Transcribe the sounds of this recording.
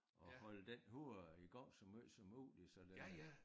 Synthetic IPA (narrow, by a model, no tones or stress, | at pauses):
ɒ̽hɒ̽ləd̥enɦuɐ̰iɡ̥ɒŋ̰sɒmøsɒmṵːlisɒ̽le